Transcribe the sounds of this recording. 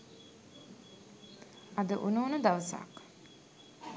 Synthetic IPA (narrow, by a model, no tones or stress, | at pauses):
ɐd̪əʔunuːnəd̪aʋəsa̰ːk